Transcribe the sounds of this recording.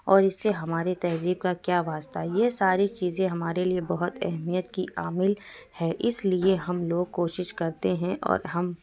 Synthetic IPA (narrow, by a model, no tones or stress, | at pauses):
ɔːɾɪsːeɦɐmaːɾet̪ɐziːb̚kakjaːʋaːst̪aɦjesaːɾit͡ʃiːzẽɦɐmaːɾeliebɐɦʊt̪ɛ̰ɦmijət̪kiʔaːmɪlhɛːʔɪslieɦɐmloːɡ̚koːʃɪʃkɐɾt̪eɦɛ̃ʔɔ̰ːɾɦɐm